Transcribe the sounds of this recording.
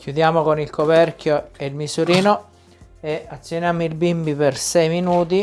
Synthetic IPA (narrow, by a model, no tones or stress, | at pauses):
kʲjud̪jaːmokonilkopɛrkjoelmisuɾiːno | eat̪sːjonjamːilbimbipersɛjminuːt̪̬i